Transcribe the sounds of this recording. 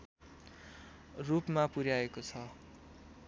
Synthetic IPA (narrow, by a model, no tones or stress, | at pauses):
rupmapuɾjaekot͡sʰʌ